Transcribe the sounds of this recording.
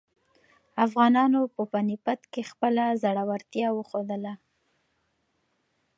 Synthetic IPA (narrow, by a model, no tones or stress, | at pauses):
afɣɑnɑnopəpanipat̪kexpəlazaɽawaɾt̪jɑwəxod̪əla